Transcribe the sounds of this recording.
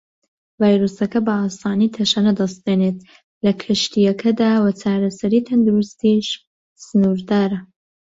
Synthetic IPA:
vaːjɾusɐkɐbɐaːst̪aːnit̪ʰɐʃaːnɐd̪ɐst̪̚beneːt̪̚ | lɐkʰɨʃt̪ijɐkʰɐd̪aːwɐt͡ʃʰaːɾɐsɐɾiːt̪ʰɐnd̪uɾust̪iʃ | sɨnuːɾd̪aːɾɐ

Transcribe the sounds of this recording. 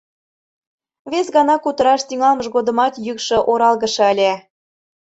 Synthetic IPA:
vesɣɑnɑkut̪ə̆ɾɑʃt̪yŋɑlməʃɣod̪ə̆mɑt̪jykʃɤ̆ʔoɾɑlˠɣə̆ʃɤ̆əlʲe

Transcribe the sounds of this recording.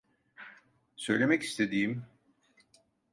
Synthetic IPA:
sø̞jlʲe̞mɛci̥st̪ʰe̞d̪iːim

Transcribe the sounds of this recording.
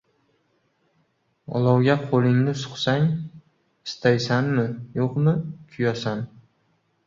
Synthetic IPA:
ɒ̰lˠɒwɡʲaqʰolɪŋnɪsʊ̥χsaŋ | ɪst̪ʰajsanmɪjoqmɪkʲʰʊjɒsan

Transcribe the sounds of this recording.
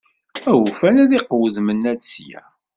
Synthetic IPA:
æwfænæðɪqwðmənːæt͡sːjæ̰

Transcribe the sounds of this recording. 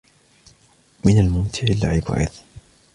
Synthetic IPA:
mɪnalmʊmt̪ʰɪʕɪlːaʕɪba̰ʕɪ̰ð

